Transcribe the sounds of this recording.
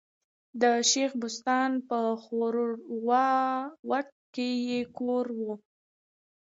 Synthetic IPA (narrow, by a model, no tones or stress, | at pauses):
d̪əʃexbʊst̪ɑnpəxoɾwɑwaxt̪̚kejekoɾwu